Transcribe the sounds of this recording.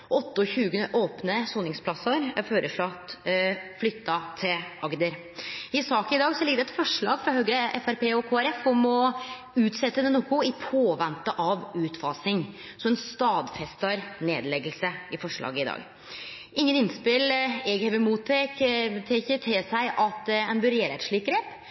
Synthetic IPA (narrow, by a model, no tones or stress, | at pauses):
ɔt̪ːəɔçʉːɡəʔoːpnəsuːnɪŋspʰlɑsəɾæɾføːɾʔəʂɭɑt̪ːflʏt̪ːɑt̪ʰɪlʔɑɡd̪əɾ | ɪsɑːkəɪd̪ɑːɡsɔlɪɡəd̪ɛt̪fɔʂɭɑ̰ːɡfɾɑhœʏɾəʔɛfæɾpeːɔkʰoːæɾɛfɔmɔ | ʉːt̪sɛt̪ːənənuːkʊɪpʰoːʋɛnt̪əʔɑʋʉːt̪fɑːsɪŋ | sɔmɛnst̪ɑːd̪fɛst̪ɑɾnḛːd̪lɛɡəlsəɪfɔʂɭɑ̰ːɡəɪd̪ɑ̰ːɡ | ʔɪŋːənɪnspɪlɛɡhɛʋəmuːt̪ʰekt̪ʰeːçət̪ʰɪsæɪʔɑt̪ɛnbʉɾeːɾɛt̪ʂɭɪkɡɾeːp